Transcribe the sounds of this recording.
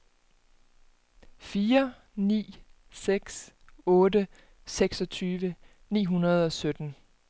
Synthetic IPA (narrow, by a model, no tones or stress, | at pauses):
fiːɐ | nḭː | seɡ̥s | ɔ̽ːdə | seɡ̥sɒ̽t͡sʰyːʋə | nḭːɦunɐð̞̩ˠɒ̽sød̥n̩